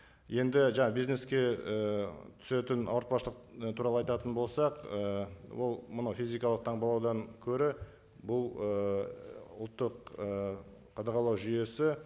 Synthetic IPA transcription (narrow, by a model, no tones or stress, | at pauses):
je̞nd̪ɪʒɑɴɑbijzne̞skʲe̞ət̪ʰʏ̥se̞t̪ɪnɑ̰wəɾt̪̚pɑsʃlˠəqt̪ʰuɾɑlˠəɑjt̪ɑt̪ənbo̞lˠsɑqəwo̞lˠmənɑwfʲijzijkɑlˠəq̚t̪ʰɑɴbɑlˠɑwd̪ɑŋkʲʰɵɾɪ | bʊlˠə | ʊ̰lˠt̪ːəqə | qːʰɑd̪ɑʁɑlˠɑwʒʏje̞sɪ